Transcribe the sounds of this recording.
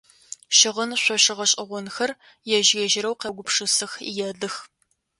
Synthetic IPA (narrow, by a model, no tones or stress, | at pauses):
ʃɪʁənɕʷɔɕɪʁɐɕʼɪʁʷɔnxɐr | jɛʒɣɐʒɪɾɐwqɐɡʷʊpʂɨsɨxḭjɛɮɨx